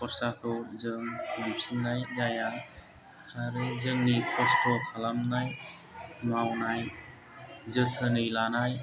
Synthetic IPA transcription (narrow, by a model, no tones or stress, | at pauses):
pʰɔɾsakʰɯwzɯŋːɯmsinajzaja | haɾɯzɯŋnikʰɔstɔkʰalamnaj | mawnaj | zɯt̪ʰɯnɯjlanaj